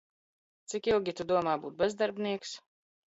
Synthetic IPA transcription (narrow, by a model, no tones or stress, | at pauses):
t̪sikilˠɡʲit̪ud̪uɔmaːbuːt̪̚bɛzd̪aɾbniɛks